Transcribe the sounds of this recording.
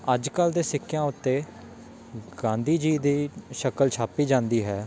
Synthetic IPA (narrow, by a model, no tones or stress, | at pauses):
əd͡ʒkəld̪eːsɪkʰːjãːʊt̪ːeː | ɡãːnd̪iːd͡ʒiːd̪iːʃəkəlt͡ʃʰaːpiːd͡ʒãːnd̪iːɦɛː